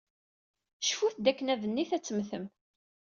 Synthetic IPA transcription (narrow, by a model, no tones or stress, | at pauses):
ʃfuθd̪ækːənævənːiθæt͡sːəmθəm